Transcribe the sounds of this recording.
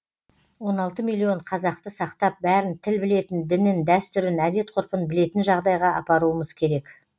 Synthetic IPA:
wo̞nɑlˠt̪əmilʲˠːio̞ɴqʰɑzɑq̚t̪əsɑqt̪ɑp̚bæɾɪnt̪ʰɪlbɪle̞t̪ɪnd̪ɪnɪnd̪æst̪ʏɾɪnæd̪e̞t̪̚qʰʊɾpənbɪle̞t̪ɪnʒɑʁd̪ɑjʁɑɑ̰pɑɾuəməz̥kʲʰe̞ɾe̞k

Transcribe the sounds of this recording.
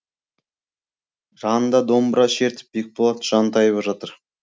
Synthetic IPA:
ʒɑnənd̪ɑd̪o̞mbɾɑʃe̞ɾt̪ɪ̥p̚bek̚ʲbolˠɑt̪ʒ̥ɑnt̪ʰɑjβɑʒɑt̪əɾ

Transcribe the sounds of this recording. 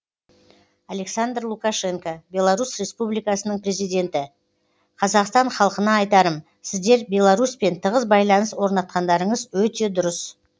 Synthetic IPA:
ale̞ksand̪rlˠukɑʃe̞ŋkabʲe̞lˠaɾusre̞spublijkɑsənəɴpre̞zijd̪ʲe̞nt̪ɪ | qʰɑzɑqst̪ɑɴχɑlˠəqənɑːjt̪ɑɾəm | sɪzd̪e̞ɾbʲe̞lˠɑɾuspe̞nt̪ʰəʁəzbɑjlˠɑnəswo̞ɾnɑt̪̚qɑnd̪ɑɾəɴəzwɵt̪e̞d̪ʊɾəs

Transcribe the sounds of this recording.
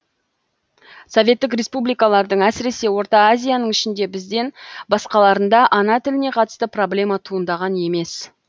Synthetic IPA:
so̞vʲe̞t̪ːɪkrʲe̞spublijkɑlˠɑɾd̪əɴæsɪɾe̞se̞wo̞ɾt̪ɑːzʲijanəɴʏʃɪnd̪e̞bɪzd̪e̞nbɑsqɑlˠɑɾənd̪ɑʔɑnɑt̪ʰɪlɪne̞qʰɑt̪ə̥st̪əpro̞blʲe̞mɑt̪ʰuənd̪ɑʁɑne̞me̞s

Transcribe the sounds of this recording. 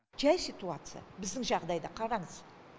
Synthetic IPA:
ʒæjsijt̪uat̪sɨja̰bɪzd̪ɪŋʒɑʁd̪ɑjd̪ɑqʰɑɾɑɴəz

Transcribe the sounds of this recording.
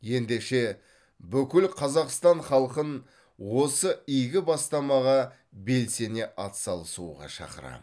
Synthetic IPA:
je̞nd̪e̞ʃe̞ | bʏkʲɪlqʰɑzɑqst̪ɑɴχɑlˠqən | wo̞səijɡʲɪbɑst̪ɑmɑʁɑ | be̞lse̞ne̞ʔɑt̪sɑlˠəsuʁɑ̰ʃɑ̰qəɾɑ̰

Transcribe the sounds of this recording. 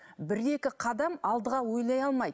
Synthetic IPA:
bɪɾe̞kʲɪqʰɑd̪ɑmɑlˠd̪əʁɑwo̞jlˠɑjɑlˠmɑj̪

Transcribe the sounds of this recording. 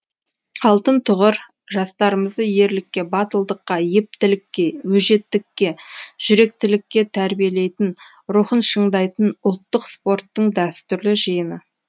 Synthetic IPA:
ɑlˠt̪ənt̪ʰʊʁəɾ | ʒɑst̪ɑɾəməzd̪əje̞ɾlɪkʲːe̞bɑt̪əlˠd̪əqːɑjep̚t̪ɪlɪkʲːe̞wɵʒe̞t̪ːɪkʲːe̞ʒ̥ʏɾe̞k̚t̪ɪlɪkʲːe̞t̪ʰæɾbije̞le̞jt̪ɪn | ɾuχənʃəɴd̪ɑjt̪ənʊlˠt̪ːəqspo̞rt̪ːəɴd̪æst̪ʏɾlɪʒijənə

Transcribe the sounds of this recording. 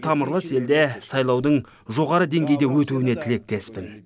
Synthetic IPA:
t̪ʰɑməɾlˠəse̞ld̪e̞sɑjlˠɑwd̪əɴ | ʒo̞ʁɑɾəd̪e̞ŋɡʲe̞jd̪e̞wɵt̪uwɪne̞t̪ʰɪle̞k̚t̪ʰe̞spɪn

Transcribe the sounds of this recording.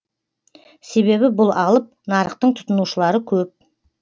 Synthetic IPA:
se̞βe̞βɪbʊlˠɑlˠəp̚nɑɾəqt̪əɴt̪ʰʊ̥t̪ənuʃəlˠɑɾəkʲʰɵp̚

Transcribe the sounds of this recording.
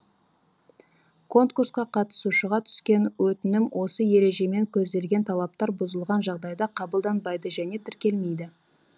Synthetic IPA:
kʰo̞nt̪kursqɑqʰɑt̪ə̥suʃəʁɑt̪ʰʏ̥skʲe̞nwʔɵt̪ɪnɪmwʔo̞səje̞ɾe̞ʒe̞me̞ŋkʲʰɵzd̪e̞lɡʲe̞nt̪ʰɑlˠɑp̚t̪ɑɾbʊzəlˠʁɑnʒɑʁd̪ɑjd̪ɑqʰɑbəlˠd̪ɑnbɑjd̪əʒæne̞t̪ʰɪɾkʲe̞lme̞jd̪ɪ

